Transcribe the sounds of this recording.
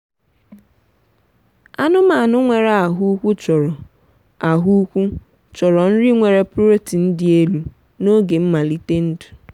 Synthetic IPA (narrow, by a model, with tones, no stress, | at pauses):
a˦nʊ˦ma˨nʊ˦ŋʷe˨ɾa˦a˨ɦu˦kʷu˦t͡ʃɔ˨ɾɔ˨ | a˨ɦu˦u˦kʷu˦ | t͡ʃɔ˨ɾɔ˨n̩˦ɾi˦ŋʷe˨ɾe˨po˦ɾe˦ti˨n̩˦dɪ˨˦e˦lu˦ | no˦ɡe˨m̩˦ma˨li˦te˦n̩˦du̥˨